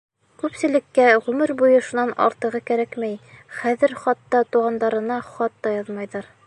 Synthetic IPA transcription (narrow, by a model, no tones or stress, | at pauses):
kʉpsɘ̆lɘ̆kːæʁʉmɘɾbujɤʃunɑnɑ̰ɾt̪ɤ̆ʁɤkæɾækmæjχæðɘ̆ɾχɑt̪ːɑt̪uʁɑnd̪ɑɾɤ̆nɑχɑt̪ːɑjɑðmɑjðɑɾ